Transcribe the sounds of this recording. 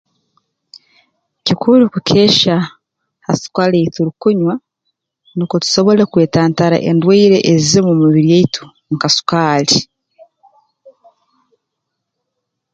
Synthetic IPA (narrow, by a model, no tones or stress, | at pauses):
cikʰulikukʰe̞ːʃa | hasu̥kalejtuɾukuɲwa | nikotu̥so̞βo̞lekwe̞ːtaːntaɾa̰ʔḛndweiɾe̞ʔezizemumuβiɾijeitʰu̥ | ŋkasu̥kaːli